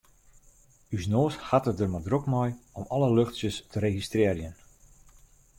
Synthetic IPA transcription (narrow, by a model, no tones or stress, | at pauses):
ysnoːshatət̚dərmadrokmɔjɔmɔləløxtsjəstʰəɾeɣistrɪərjən